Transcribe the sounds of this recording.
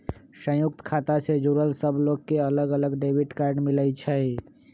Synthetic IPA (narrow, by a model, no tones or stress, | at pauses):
sə̃juk̚t̪kʰat̪ased͡ʒuɾəlsəbʱloɡkeələɡələɡɖebʱiʈkaɾɖmilət͡ʃʰə